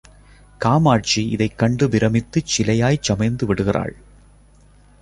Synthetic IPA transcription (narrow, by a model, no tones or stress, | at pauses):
kaːmaːʈ̚t͡ʃiɪ̰ðɐɪkːɐɳɖɯʋɪɾɐmɪt̪ːɯt͡ʃɪlɐjaːjt͡ʃːɐmɐɪnd̪ɯʋɪɽɯɣɪra̰ːɭ